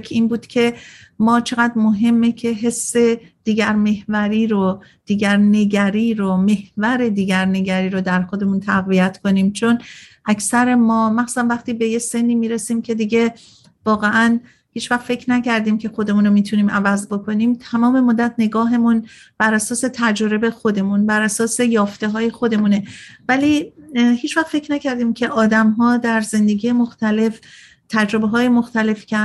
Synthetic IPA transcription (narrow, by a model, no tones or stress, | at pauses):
kʰiːnbuːd̪̥cʰe̞ | mɒːt͡ʃʰe̞ɣæd̪ɾmoɦe̞mːecʰe̞ɦe̞sːe̞d̪̥iːɟæɾme̞hvæɾiːɾod̪̥iːɟæɾne̞ɟæɾiːɾome̞hvæɾe̞d̪iːɡæɾne̞ɟæɾiːɾod̪æɾxo̞d̪emuːnt̪ʰæɣvijæt̪ʰko̞niːmt͡ʃʰonʔæcʰsæɾe̞mɒːmæxsusænvæχt̪iːbe̞jese̞nːiːmiːɾe̞siːmcʰe̞d̪iɟe̞ | vɒːɣeʔæn | hiːt͡ʃʰvæxfe̞cʰɾnæcæɾd̪iːmcʰe̞xo̞d̪e̞muːnomiːt̪ʰuniːmʔævæzbo̞kʰo̞niːmt̪ʰæmɒːme̞mod̪ːæt̪ʰne̞ɡɒːɦe̞mun | b̥æɾʔæsɒːse̞t̪ʰæd͡ʒoɾe̞be̞xo̞d̪e̞munbæɾæsɒːse̞jɒːft̪e̞ɦɒːje̞xo̞d̪e̞mune̞væliːhiːt͡ʃʰvæxt̪fe̞cʰɾnæcʰæɾd̪iːmcʰe̞ʔɒːd̪æmɦɒːd̪æɾze̞nd̪e̞ɡijemo̞xt̪ʰæle̞f | t̪ʰæd͡ʒɾo̞beɦɒːjemo̞xt̪æle̞fcʰe